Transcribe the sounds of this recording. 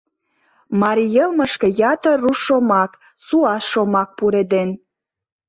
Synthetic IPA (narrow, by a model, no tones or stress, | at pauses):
mɑɾʲijelmə̆ʃkĕjɑt̪ə̆ruʃomɑk | suɑsʃomɑk̚puɾed̪en